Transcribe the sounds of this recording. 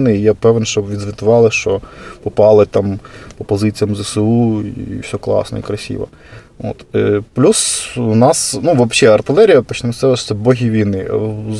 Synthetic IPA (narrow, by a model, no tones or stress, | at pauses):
nɪijɛpɛʋenʃt͡ʃɔbʋʲid̪zʋʲɪt̪ʊʋɑlˠɪʃt͡ʃɔpɔpɑlˠɪt̪ɑmpɔpɔzɪt͡sʲijɐmzɛseuiwsʲɔklˠɑ̰snɔ̰ḭkɾɐsʲḭʋɐ̰ | o̰t̪plʲuswnɑsnuʋɐbʃɛɐrt̪ɪlˠɛɾʲijɐpɔt͡ʃnɐmɪsɛʋɛʃɛbɔɦʲiʋʲijnɪ